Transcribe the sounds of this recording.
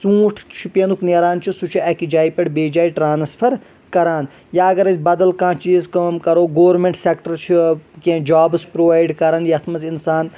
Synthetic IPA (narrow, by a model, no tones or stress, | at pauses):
sũːʈʰt͡ʃʰipenukʰneːɾaːnt͡ʃʰisut͡ʃʰiɐkid͡ʒaːipɐɽbeːd͡ʒaːiʈɾaːnspʰɐɾ | kɐɾaːn | jaɐɡɐɾɐsʲbɐd̪ɐlkãːt͡ʃizkɐmkɐɾoːɡoːʋɾmẽɳʈsekʈɐɾt͡ʃʰikẽːd͡ʒaːbɨspɾoːʋaːjɖkɐɾanjɐt̪ʰmɐzinsaːn